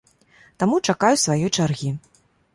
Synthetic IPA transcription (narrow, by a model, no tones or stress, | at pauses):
t̪amut͡ʂakajusvajɔjt͡ʂarɣʲi